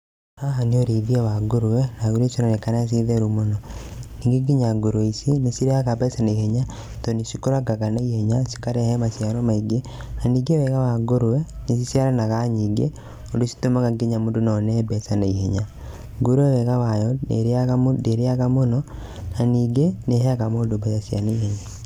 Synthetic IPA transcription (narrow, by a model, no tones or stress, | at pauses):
ɾaɦanioɾiðiawaɡoɾuwɛnaɣuɾesinonekanas̬iðeɾumonɔniːŋɡeɡiɲaɡoɾweisinisiɾeakabɛsaneiheɲa | tonisikoɾaɡakanaiheɲasi̥kaɾɛhɛmasjaɾomaiɡe | naniːɡewɛɣawaɡoɾwɛnisisjaɾanakaɲiɡḛ | odosi̥tomakaɡeɲamodonɔnɛbɛsanaiheɲa | ɡoɾwɛwɛkawajɔɾdeɾeakamonɔ | naniɡeneɦɛakamodobajasia̰neiheɲa